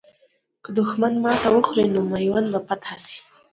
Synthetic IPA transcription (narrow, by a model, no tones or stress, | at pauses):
kəd̪ʊxmanmɑt̪awəxɾenomajwanbapat̪asi̥